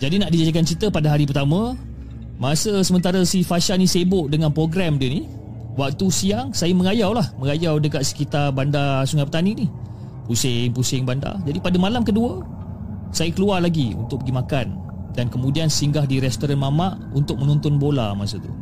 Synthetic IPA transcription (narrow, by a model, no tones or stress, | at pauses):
d͡ʒadinaʔdid͡ʒad͡ʒak̬ant͡ʃit̪əpadaɦaɾipərt̪amã | mãsəsəmənt̪aɾasifaʃanisebʊʔdəŋanpɾoɡɾɛmdəni | wak̚t̪usiaŋsajəməŋajawlahməŋajawdəkaʔ̪̚sə̥kit̪arbandasuŋapət̪aninih | pusɪŋpusɪŋbanda̰d͡ʒadipadamalamkəduə | sajəkəluarlaɡiṵnt̪ʊk̚pəɡimakan | dankəmudiansiŋɡahdiɾɛst̪oɾanmamaʔunt̪ʊk̚mənũnt̪ʊnbola̰mãsət̪ṵ